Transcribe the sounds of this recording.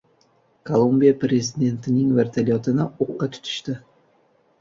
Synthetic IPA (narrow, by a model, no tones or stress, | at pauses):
kʰolˠumbijapɾe̞zid̪e̞nt̪ʰɪnɪŋvaɾt̪ʰalijɒt̪ʰɪnɪoqːɑt̪ʰʊ̥t̪ʰɪ̥ʃt̪ɪ